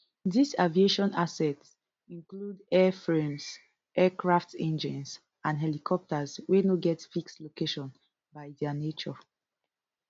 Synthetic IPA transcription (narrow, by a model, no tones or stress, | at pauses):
disavieʃɔ̃nasɛts | ĩŋkludɛfɹẽms | ʔɛkɹaftɛ̃nd͡ʒĩns | ãnɦɛlikʰɔp̚təzwenoɡɛtfikstlokeʃɔ̃n | bajdɛanet͡ʃɔ